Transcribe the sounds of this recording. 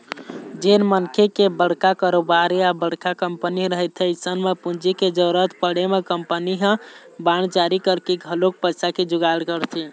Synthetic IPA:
d͡ʒenmənkʰekebəɽ̤kakəɾobaɾeabəɽ̤kakəmpəniɾəɦət̪ʰɛisənmepund͡ʒiked͡ʒəɾət̪pəɽemekəmpəniɦə̃ | bant͡ʃaɾikəɾkeɡʱəlok̚pəsaked͡ʒuɡaɽkəɾt̪ʰi

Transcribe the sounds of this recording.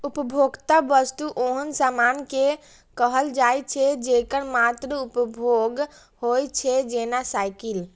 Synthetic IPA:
upəbʱoɡt̪abəst̪uʔoɦənsamanke | kəɦəld͡ʒajt͡ʃʰɛd͡ʒekəɾmat̪ɾəupəbʱoɡ | hojt͡ʃʰɛd͡ʒenasajkil

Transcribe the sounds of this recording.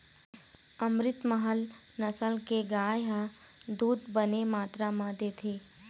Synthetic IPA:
əmɾɪt̪məɦəl | nəsəlkeɡaːjɦəd̪uːd̪bənemaːt̪ɾamãd̪eːt̪ʰeː

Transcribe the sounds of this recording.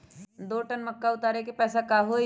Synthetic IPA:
d̪oːʈənməkːaʊt̪aːɾek̬epɛːsakaːɦo

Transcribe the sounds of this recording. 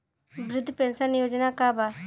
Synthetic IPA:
bɾɪd̪ʱːpẽnsənjoːd͡ʒnakabaː

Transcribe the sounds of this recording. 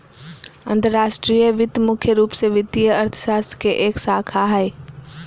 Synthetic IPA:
ə̰̃nt̪əɾːaːʃʈɾijəʋɪt̪mʊkʰjəɾuːpseʋɪt̪ːiəəɾt̪ʰə̥ʃaːst̪əkeʔeːksaːkʰaɦɛe

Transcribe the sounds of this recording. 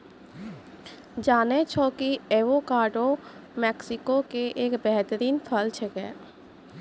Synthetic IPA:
d͡ʒaːnet͡ʃʰɔːkieːʋokaːɾɖo | mɛːksɪkokeʔeːkbɛɦt̪əɾiːnpʰəlt͡ʃʰekɛ̰ː

